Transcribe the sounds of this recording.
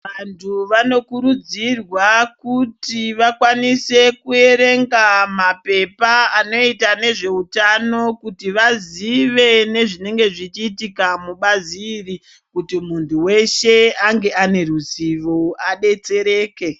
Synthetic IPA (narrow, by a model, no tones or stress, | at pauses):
ʋantʰuʋano̞kuɾud͡zirwakutiʋakwanise̞kue̞ɾe̞ŋɡamape̞paːno̞itane̞ʐe̞utano̞kutiʋaziʋe̞ne̞ʐine̞ŋɡe̞ʐit͡ʃiːtikamuɓaziːri | kutimuntʰuwe̞ʃe̞aŋɡe̞ane̞ruziʋoaɗe̞t͡se̞ɾeːke̞